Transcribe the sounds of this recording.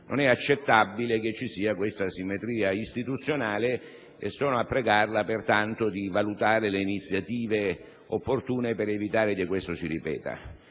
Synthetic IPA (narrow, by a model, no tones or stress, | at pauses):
nʔo̰nɛat͡ʃːet̪ːabːilek̟et͡ʃːisiːakwest̪asimːet̪ɾiːaist̪it̪ut̪sːjonaːle | ḛsːɔːnoapːɾeɡarlapert̪ant̪od̪ivalut̪aːɾeleinit̪sjat̪iːve | opːort̪uːnepeɾevit̪aːɾekekːwest̪osiripɛ̰ːt̪a̰